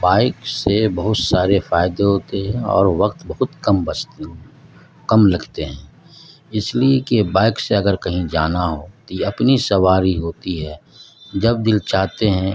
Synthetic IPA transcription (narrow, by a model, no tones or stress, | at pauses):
baːɪksebɐɦʊt̪saːɾefaːɪd̪eɦoːt̪eɦɛ̃ɔ̰ːɾʋɐqt̪bɐɦʊt̪kɐmbɐt͡ʃt̪ | kɐmlɐɡʱt̪eɦɛ̃ː | ɪsliekebaːɪkseɐɡəɾkɐɦĩd͡ʒaːnaɦot̪ɐpnisɐwaːɾiɦoːt̪iɦɛː | d͡ʒɐb̚d̪ɪlt͡ʃaːt̪eɦɛ̃